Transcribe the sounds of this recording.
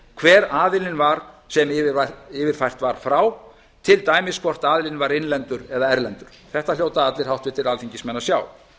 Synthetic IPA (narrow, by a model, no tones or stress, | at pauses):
kʰvɛːɾaːðɪlɪnvaɾ̥sɛmɪaɪːvɪɾ̥fajr̥t̪vaɾ̥fɾaw | t̪ʰɪlt̪aːjmɪskʰvɔr̥t̪aːðɪlɪnvaɾɪnlɛnt̪ʏɾɛðaɛɾlɛnt̪ʏɾ̥θɛht̪ajowt̪aat̪lɪɾ̥hawht̪vɪt̪ːɪɾalθiɲcɪsmɛnːasjaːw